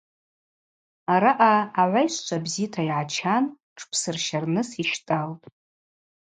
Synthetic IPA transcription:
aɾaʔaːʕʷajʃʷt͡ʃʷʰabzitʰaiʕat͡ʃʰan | ʈ͡ʂʰpʰsɨrʃarnɨsiʃtʼaltʼ

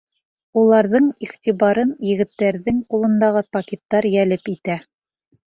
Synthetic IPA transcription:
ulˠɑɾðɤɴiχt̪iβɑɾɤnjɘ̆ɡɘ̆t̪ːæɾðɘŋqulˠɤ̆nd̪ɑʁɤpɐkʲet̪ːɑɾjælɘpit̪æ

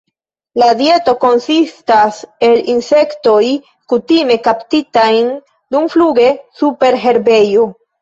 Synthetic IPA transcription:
ladje̞to̞ko̞nsistase̞linse̞kto̞j | kutime̞kaptitajn | dumfluɡe̞supe̞ɾɦe̞ɾbe̞jo

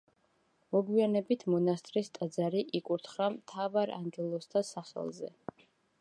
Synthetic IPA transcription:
mɔɡwianɛbit̪ʰmɔnast̪ʼɾist̪ʼad̪zaɾiʔikʼuɾt̪ʰχɾamt̪ʰavaɾa̰ŋɡɛlˠɔst̪ʰasaχɛ̰lˠzɛ̰

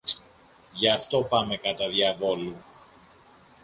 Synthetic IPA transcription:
ʝɐːft̪o̞pɐme̞kɐt̪ɐðjɐvo̞lu

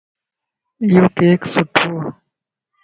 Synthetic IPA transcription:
jukeːksuʈʰuː

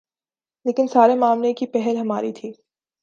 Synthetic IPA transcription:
leːkɪnsaːɾemaːmlekipɛɦɛlɦɐmaːɾḭt̪ʰiː

